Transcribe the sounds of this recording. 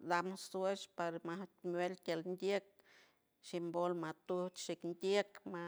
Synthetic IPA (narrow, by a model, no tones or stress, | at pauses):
d̪amset͡ʃpaɾmat̪mwelt̪ʲalnd̪ʲjek̚ | ʃimbolmat̪ut͡ʃ̪ʃiknd̪ʲekma